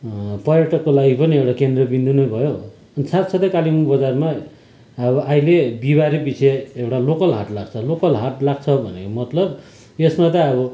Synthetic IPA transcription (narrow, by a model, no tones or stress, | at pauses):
pʌrjaʈʌkːolaɡipʌniewɽakend̪rʌbind̪ʱunʌjbʱʌjo | ʌnisat̪sʌt̪ʌkalimubʌd͡zarma | ʌbʌʔailebibaɾibiseewʈalokʌlɦa̰ʈlaɡt͡sʰʌlokʌlɦaʈlaɡ̚t͡sʰʌbʱʌnekomʌt̪lʌb | esmat̪ʌʌbʌ